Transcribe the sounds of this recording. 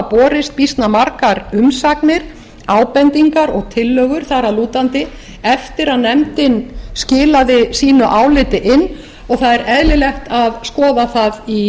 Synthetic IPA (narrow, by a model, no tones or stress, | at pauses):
pɔːɾɪst̪̚pist̪namaɾkaɾʏmsaknɪɾ̥ | aːwpɛnt̪iŋkaɾɔɣt̪ʰɪlːœːɣʏɾ̥θaɾaluːt̪ant̪ɪ | ɛft̪ɪɾaðnɛmt̪ɪnscɪːlaðɪsiːnʏʔaːwlɪt̪ɪʔɪnː | ɔɣθaðɛɾɛðlɪlɛxt̪aðskɔːðaθaði